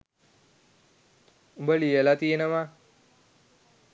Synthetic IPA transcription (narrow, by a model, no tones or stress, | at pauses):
ubəlijəlat̪ienəʋa